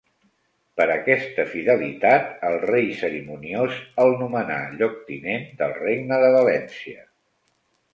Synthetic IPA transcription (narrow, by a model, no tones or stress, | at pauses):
pəɾəkɛst̪əfiðəlit̪at̪əlˠrejsəɾimuniozəlˠnuməna̰ʎɔk̚t̪inend̪əlˠreɡnəðəβəlɛnsiə